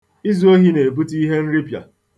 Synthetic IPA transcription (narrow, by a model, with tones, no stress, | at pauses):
i˦zu˦o˦ɦi˦ne˨e˨bu˦ti˦ɦe˦n̩˦ɾi˦pja̰˨